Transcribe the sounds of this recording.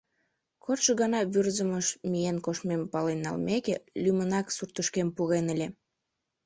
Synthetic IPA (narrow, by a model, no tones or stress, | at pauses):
kʰorʃəɣɑnɑβyrzəməʃmijenkoʃmempɑlenːɑ̰lmekelymənɑksurt̪əʃkempuɣenəlʲe